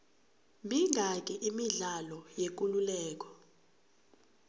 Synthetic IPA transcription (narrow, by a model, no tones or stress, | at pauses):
mbʱiŋʱak̬ʼɛʔimiɮalɔjek̬ʼululɛːk̬ɔ̥